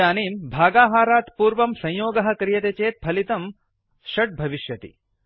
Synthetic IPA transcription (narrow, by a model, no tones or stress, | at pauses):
aːniːmbʱaːɡaːɦaːɾaːt̪puːɾʋɐmsɐ̃j̃joːɡɐɦɐ̆kɾijɐt̪et͡ʃeːt̪̚bʰʱɐlit̪ɐm | ʃɐʈ̚bʱɐʋiʃjɐt̪ḭ